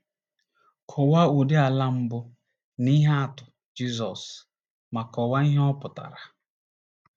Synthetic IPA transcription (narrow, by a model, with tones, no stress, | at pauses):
kʰʊ˨wa˦u˨dɪ˦a˨la˦m̩˦bʊ˦ | ni˦ɦa˦a˦˨tʊ˨ | d͡ʒi˦zɔ˨s | ma˨kɔ˨wa˦i˦ɦɔ˦pʊ˨ta̰˨ɾa˨